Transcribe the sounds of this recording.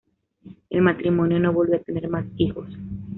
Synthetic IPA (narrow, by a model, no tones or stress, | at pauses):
ḛlmat̪ɾimo̞njo̞no̞βolβjoat̪ene̞ɾmasixo̞s